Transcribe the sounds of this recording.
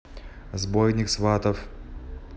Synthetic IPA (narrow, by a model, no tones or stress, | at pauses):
zbojnʲɪksvat̪əf